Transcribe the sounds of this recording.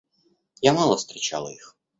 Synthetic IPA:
jamalˠɐst̪ɾʲit͡ʃa̰lˠɐ̰jix

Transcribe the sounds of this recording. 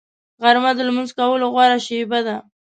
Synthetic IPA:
ɣaɾmad̪əlmənzkawəloɣwaɾaʃebad̪a

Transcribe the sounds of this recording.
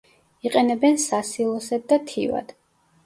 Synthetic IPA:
iqʼɛnɛbɛnsasilˠɔsad̪̚d̪at̪ʰḭva̰d̪̥

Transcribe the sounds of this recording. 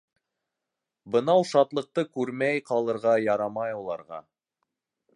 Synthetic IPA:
bɤ̆nɑwʃɑt̪lˠɤ̆q̚t̪ɤkʉɾmæjqɑlˠɤ̆ɾʁɑjɑɾɑmɑjulˠɑɾʁɑ̰

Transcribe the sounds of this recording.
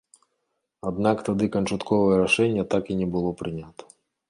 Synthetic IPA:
ɐd̪nɑkt̪ɐd̪ɪkɐnt͡ʃʊt̪kɔʋɛɾɐʃɛnʲːɐt̪ɑkinɛbʊlˠɔpɾɪnʲat̪ɔ̥

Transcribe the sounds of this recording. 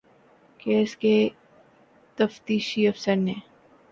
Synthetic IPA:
keːske | t̪ɐft̪iːʃiɐfsəɾneː

